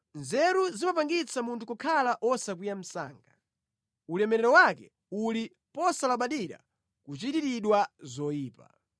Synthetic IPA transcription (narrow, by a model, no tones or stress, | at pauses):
nzɛɾuzimapaŋɡit͡sʰamuntʰukɔkʰalaʔɔsak̬wijam̩sa̰ːŋɡa | ulɛmɛɾɛɾɔwakɛ | uli | pɔsalaɓaɗiɾa̰ | kut͡ʃitiɾiɗwazɔjiːpa̰